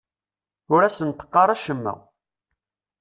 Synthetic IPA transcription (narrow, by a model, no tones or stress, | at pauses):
ʊɾæsənt̪ːə̥qːɑɾˤæʃəmːæ̰